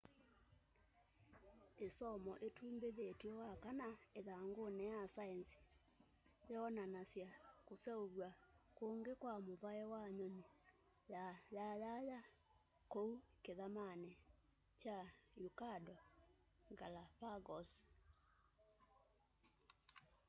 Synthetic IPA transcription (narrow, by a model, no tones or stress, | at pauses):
esɔmɔʔetʰuːmbeðetwewakanaeðaŋɡonɛjasaɛnsi̥ | jɛɔnanasjakosjaoβwakoŋɡekwamoβaɛwaɲɔɲe | jajaja | koukeðamanɛ | t͡ʃajukadɔ | ŋɡalapaɡɔs